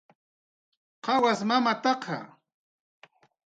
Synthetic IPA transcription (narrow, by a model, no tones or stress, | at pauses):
qɑwasmamat̪ɑqʰɑ̰